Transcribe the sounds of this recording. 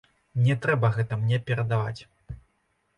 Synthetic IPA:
nʲɛt̪ɾɛbɐɣɛt̪ɐmnʲɛpʲɛɾɐd̪ava̰t͡sʲ

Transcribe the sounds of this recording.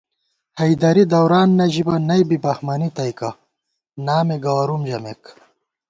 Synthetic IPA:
hɐjd̪ɐɾid̪ɐwɾaːnːɐʑibɐnɐjbibɐhmɐnit̪ɐjkɐ | naːmeɡɐwɐɾumd͡ʑɐmek

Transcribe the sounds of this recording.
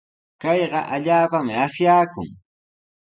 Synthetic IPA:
kɑjɢɑʔaʎaːpamɪasjaːkʊ̰ŋ

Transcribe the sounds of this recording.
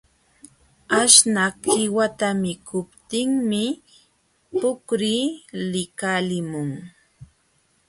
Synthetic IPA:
aʃnakhɪwat̪amɪkʰʊpt̪ɪŋmɪ | pʊkɾiːlɪkalɪmʊŋ

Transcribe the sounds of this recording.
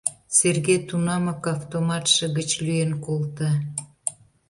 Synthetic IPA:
serɣet̪unɑmɑkɑft̪omɑt̪ʃə̆ɣət͡ɕlyenkolt̪ə

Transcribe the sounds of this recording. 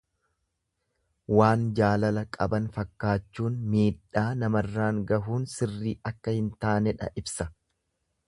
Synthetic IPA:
waːnd͡ʒaːlɐlɐkʼɐbɐnfɐkːaːt͡ʃːuːnmiːᶑːaːnɐmɐrːaːŋɡɐɦuːnsɪrːiːɐkːɐhɪnt̪aːnɛᶑɐ̰ʔɪbsɐ

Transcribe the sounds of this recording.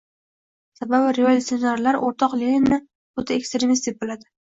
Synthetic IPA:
sababɪɾe̞volʲut̪sijonaɾlaɾoɾt̪ʰɒqlenʲɪnːɪ | ot̪ʰaekst̪ɾemist̪ʰɪk̚ʲbolad̪ɪ

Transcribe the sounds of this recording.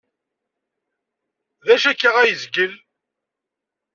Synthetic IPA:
ðæʃækːiʁæjəzɡəl

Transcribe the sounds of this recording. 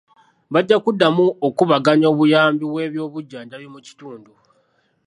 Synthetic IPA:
βaɟːakudːamuokuβaɡaɲo̞ːβujaːmbiβwe̞ːβjo̞ːβuɟːandaβjomuci̥tuːndu

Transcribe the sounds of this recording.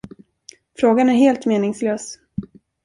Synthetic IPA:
fɾoːɡanæɾɦeːlt̪meːnɪŋsløːs

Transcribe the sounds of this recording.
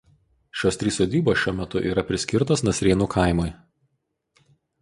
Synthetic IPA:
ʃʲoːst̪ʲɾʲiːsoːd̪ʲiːboːsʃʲuɔmʲɛt̪ʊʔiːɾɐpʲɾʲɪsʲkʲɪɾt̪oːsnɐsʲɾʲeːnuːkʰɐˑɪmʊɪ

